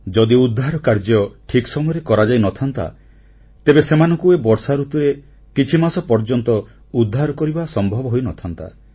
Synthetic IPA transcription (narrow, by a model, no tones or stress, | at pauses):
d͡ʒɔd̪iud̪ʱːaɾɔkaɾd͡ʒɔʈʰiksɔmɔjɔɾekɔɾad͡ʒajnɔt̪ʰant̪a̰ | t̪ebesemanɔŋkuebɔɾsaɾut̪uɾe | kit͡ʃʰimasɔpɔɾd͡ʒɔnt̪ɔ | ud̪ʱːaɾɔkɔɾibasɔmbʱɔbɔɦojnɔt̪ʰant̪a̰